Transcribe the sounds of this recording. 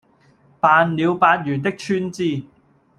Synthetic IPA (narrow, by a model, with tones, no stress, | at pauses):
paː˨˧nliː˨˧wpaː˧t̚jyː˨˩nt̪ɪ˥k̚t͡ʃʰyː˥nt͡siː˧